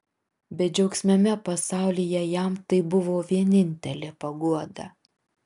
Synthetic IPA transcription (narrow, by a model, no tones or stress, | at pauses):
bʲɛd͡ʒʲɛʊksʲmʲɛmʲɛpɐsɑˑʊlʲijɛjæˑmt̪ɐɪbʊʋoːʋʲiɛnʲɪnʲt̪ʲɛlʲeːpɐɡuɔd̪ɐ